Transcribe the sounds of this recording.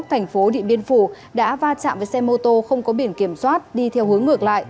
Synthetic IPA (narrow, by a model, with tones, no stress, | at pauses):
t̪ʰɛ˨˩jŋ̟fo˨˦ɗḭ˧˨ɓi˧ənfu˧˩ | ɗa̰ː˧˥vaː˧t͡ɕa̰ː˧˨veː˨˩jsɛ˧mo˧t̪o˧xə˧wŋ͡mkɔ˨˦ɓi˧˩ənki˧˩əmswaː˦˥t̚ɗi˧t̪ʰɛ˧whɨ˨˦əŋːɨ˨˩ək̚la̰ː˧˨jʔ